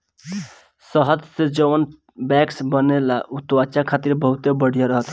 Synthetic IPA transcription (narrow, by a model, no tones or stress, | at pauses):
səɦəd̪sed͡ʒəwən | bɛksbənelaʔut̪wat͡ʃakʰat̪iɾbəɦut̪ebəɽ̤ijaɾəɦət̪